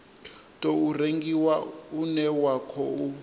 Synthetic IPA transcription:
tʼɔureŋɡiwaunɛwakʰɔu

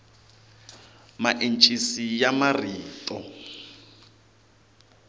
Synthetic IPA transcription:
maʔen̩t͡ʃʼisijamariːtʼɔ

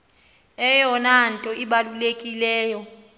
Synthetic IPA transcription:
ɛjɔnantʼɔʔiɓalulekʼilɛːjɔ

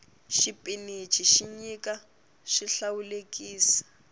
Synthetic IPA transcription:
ʃipʼinit͡ʃʼiʃiɲikʼa | ʃiɬawulekʼiːsḁ

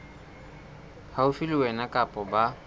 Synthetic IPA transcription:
haufilɪwɛnakʼapʼɔba

